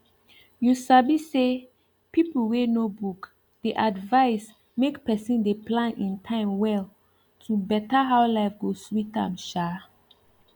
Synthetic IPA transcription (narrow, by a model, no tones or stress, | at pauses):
jusabise | pipul̩wenobuk | d̥eʔadvaɪs | mekpɛsĩndeplãnĩntʰãɪ̃mwɛl | tʰubɛtaɦawlaɪfɡoswitã̰mʃa